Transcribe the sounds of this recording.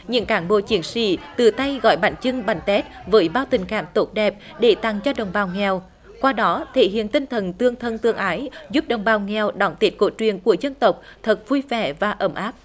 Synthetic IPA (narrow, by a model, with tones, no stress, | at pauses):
ɲɨ̰˧˥ŋkaː˧˩nɓo̰˧˨t͡ɕi˨˦ənsḭ˧˩t̪ɨ˨˩t̪a˧jɣɔ̰˧˩jɓa̰˧˩ŋt͡ɕɨ˧ŋɓa˨˧˩ŋ̟t̪ɛ˦˥t̚vəː˨˦jɓaː˧wt̪ï˨˩ŋ̟kaː˧˩mt̪o˦˥t̚ɗɛ˨˩p̚ | ɗe˧˩t̪a˨˩ŋt͡ɕɔ˧ɗə̰˨wŋ͡mɓaː˨˩wŋɛ˨˩w | kwaː˧ɗɔ˨˦t̪ʰḛ˧˨hḭ˧˨ənt̪ï˧ŋ̟t̪ʰə˨˩nt̪ɨ˧əŋt̪ʰə˧nt̪ɨ˧əŋʔaː˨˦jzu˦˥p̚ɗə˨˩wŋ͡mɓaː˨˩wŋɛ˨˩wɗɔ˧˩ŋ͡mt̪i˦˥t̚ko̰˧˥t͡ɕwi˨˩ənku˧˩əzə˧nt̪ə˨˩wk͡p̚ | t̪ʰə˨˩t̚vu˧jvɛ˧˩vaː˨˩ʔə˧˩mʔaː˦˥p̚